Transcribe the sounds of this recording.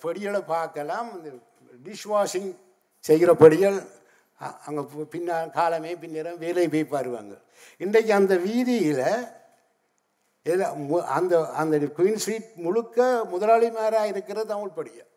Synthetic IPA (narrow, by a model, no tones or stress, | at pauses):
pɐɽɪjɐɭɐpaːɾkɐlaːmɐnd̪ɐ | ɖɪʂʋaːʂɪŋ | sɛjɣɪɾɐpɐɽɪjɐɭ | ɐŋɡɐpɪnːaːkaːlɐmeːpɪnːeːɾɐmʋeːlɐɪpeːpːaːɾɯʋɐ̰ŋɡɐ̰ɭ | ɪnɖɐk̬ʲːɯɐnd̪ɐʋiːðɪjɪlɐ | ɛlmɐnd̪ɐɐnd̪ɐkwiːnsɾiːʈ̚mʊɻɯkːɐmʊðɐlaːɭimaːɾaːɪɾɯkːɪɾɐt̪ɐmɪɭpɐɽɪjɐ̰